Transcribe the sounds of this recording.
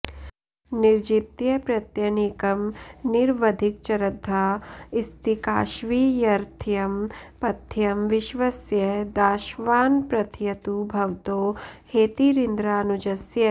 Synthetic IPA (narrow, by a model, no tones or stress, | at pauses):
niɾd͡ʒit̪jɐpɾɐt̪jɐnikɐmniɾʋɐd̪ʱik̚t͡ʃɐɾɐd̪ʱːaːist̪ikaːʃʋijɐɾt̪ʰjɐmpɐt̪ʰjɐmʋɪʃʋɐsjɐd̪aːʃʋaːnpɾɐt̪ʰjɐt̪ubʱɐwt̪oːheːt̪iɾind̪ɾaːnud͡ʒɐsjɐ